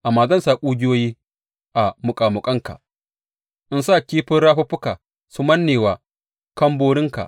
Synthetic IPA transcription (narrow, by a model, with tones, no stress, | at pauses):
ʔa˨mːaː˨zɐ˦nsaː˨kʷʼuː˦ɡʲɪ˦joː˦jiː˦ | ʔa˨mʊ˨kʼaː˨mʊ˨kʼɐ˦ŋka̰˨ | ʔɪ˦nsa˦˨kʲiː˦ɸɪ˦nɽaː˦ɸɐ˦ɸʊ˦ka˨ | sʊ˦mɐ˦nːeː˨waː˨ | kɐ˦mboː˦ɽɪ˦ŋka̰˨ʔ